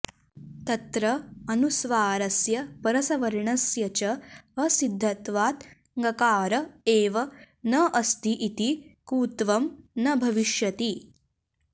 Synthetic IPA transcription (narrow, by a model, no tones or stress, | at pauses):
t̪ɐt̪ɾɐɐnusʋaːɾɐsjɐpɐɾɐsɐʋɐɾɳɐsjɐt͡ʃɐɐsid̪ʱːɐt̪ʋaːt̪ | ŋɡɐkaːɾɐeːʋɐ | nɐʔɐst̪ʰiʔit̪ikuːt̪ʋɐmnɐbʱɐʋiʃjɐt̪i